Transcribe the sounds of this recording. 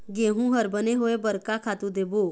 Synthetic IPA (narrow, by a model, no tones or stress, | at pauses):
ɡeːɦũɦəɾbəneɦoːebəɾkakʰaːt̪ũd̪eːbo